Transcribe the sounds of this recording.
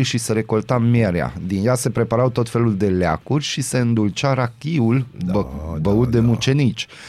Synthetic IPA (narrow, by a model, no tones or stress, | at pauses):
ʃiseɾe̞ko̞lt̪ameɾea̰d̪injase̞pɾe̞paɾawt̪o̞t̪fe̞luld̪e̞la̰kurʲʃise̞ɨnd̪ult͡ʃaɾakʲiul | bəut̪̚d̪e̞mut͡ʃe̞nit͡ʃʲ